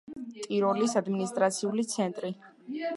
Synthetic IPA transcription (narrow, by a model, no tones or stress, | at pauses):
t̪ʼiɾɔlisad̪minist̪ʼɾat̪sʰiulit̪sʰɛnt̪ʼɾi